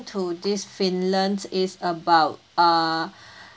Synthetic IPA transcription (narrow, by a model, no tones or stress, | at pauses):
tʰud̪isfĩnlə̃ndsɪzəbaʊ